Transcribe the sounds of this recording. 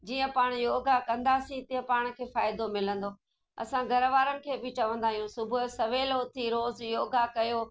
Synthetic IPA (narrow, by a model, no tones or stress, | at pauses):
d͡ʑiːə̃paːɽ̃joːɡakɐ̃nd̪aːsĩt̪iːə̃paːɽ̃̆kʰeːfaːɪd̪omɪlə̃nd̪oː | ɐ̰sãɡʱɐɾʋaːɾənɪ̆kʰeːbɪt͡ɕɐʋə̃nd̪aːɦijũsʊbʱʊsɐʋeːloʊt̪ʰiɾoːzjoːɡakɐjoː